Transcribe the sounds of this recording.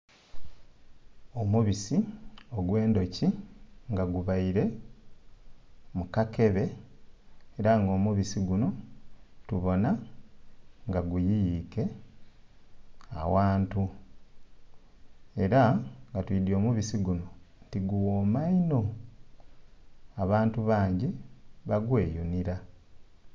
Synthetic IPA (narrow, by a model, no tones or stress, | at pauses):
omuβisioɡwe̞ːndo̞ciŋɡaɡuβaiɾe̞ | mukake̞βe̞ː | ɾaŋɡo̞ːmuβisiɡuno̞tuβo̞na | ŋɡaɡujijike̞ | a̰waːntu | e̞ɾaŋɡatwidjo̞ːmuβisiɡuno̞ntiɡuwoːmaino̞ | aβaːntuβaːɲɟiβaɡwe̞ːjuniɾa